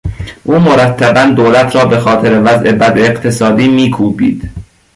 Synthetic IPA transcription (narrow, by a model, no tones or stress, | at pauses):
ʔuːmoɾæt̪ʰːæbænd̪oːlæt̪ʰɾɒːbe̞xɒːt̪ʰeɾevæzʔe̞bæd̪eːqt̪ʰesɒːd̪iːmiːkʰuːbḭːd̪̥